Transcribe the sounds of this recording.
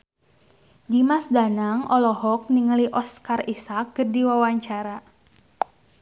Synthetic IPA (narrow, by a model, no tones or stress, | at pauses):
dimasdanaŋʔɔlɔhɔk̚niŋəliʔɔskarisak̚ɡərdiwawaɲt͡ʃaɾa